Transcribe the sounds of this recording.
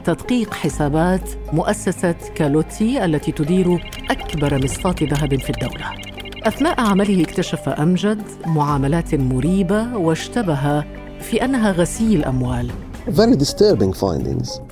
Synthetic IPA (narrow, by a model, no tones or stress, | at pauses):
t̪ɑd̪qiːqħɪsaːbaːt̪ | mʊʔasːasa | kalot̪ːiʔalːat̪iːt̪ʊd̪iːɾ | ʔakbɑɾˤmɨsˤfɑːt̪ðaɦabnfiːd̪ːawla | ʔaθnaːʔʕamalɪhɪkt̪aʃafa̰ʔamd͡ʒad̪ | mʊʕaːmalaːt̪mʊɾiːbawaʃt̪abaɦa | fiːʔanːaɦaɣasiːɪlʔa̰mwaːl | vɛɾid̪ɪst̪əːɾbɪ̃ŋfã̰j̃nd̪ɪ̰̃ŋz̥